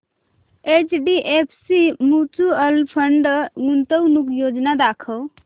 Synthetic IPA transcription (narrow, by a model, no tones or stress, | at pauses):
et͡ʃɖiʔepʰsimut͡ʃuəlpʰəɳɖɡunt̪əwnukjod͡ʒnad̪akʰəw